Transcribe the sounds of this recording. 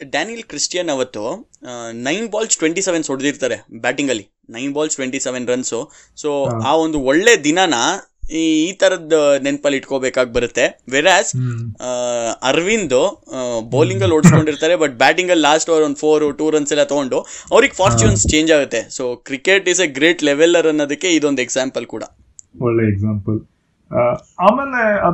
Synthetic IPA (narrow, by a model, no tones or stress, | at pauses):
ɖaːnijɐlkɾisʈijɐnɐʋɐt̪ːu | nɐjnbaːlsʈʋeɳʈiseʋensoɽd̪iɾt̪aːɾebæːʈiŋɡɐlːi | nɐjnbaːlsʈʋeɳʈiseʋenɾɐnsu | soːaːond̪uɔɭːeːd̪inanɐ | iːt̪ɐɾɐd̪ɐnenpɐliʈkobeːkaːɡ̚bɐɾut̪ːe̞ʋeːɾaːz | ɐɾʋind̪uboːliŋɡɐlːoɽsko̞ɳɖiɾt̪aːɾebɐʈ̚bæːʈiŋɡɐlːaːsʈʋɐɾoːnd̪pʰoːɾʈuːɾɐnsɛlːɐt̪oɡo̞ɳɖuɐʋɾiɡpʰaːɾt͡ʃuːnst͡ʃe̞ːɲd͡ʒaːɡut̪ːe̞soːkɾikeʈiseɡɾeːʈleʋelɐɾɐnːod̪ɐkːe̞id̪o̞nd̪eɡsaːmpɐlkuːɽɐ̰ | ɔɭːeeɡzaːmpɐl | aːmeleɐ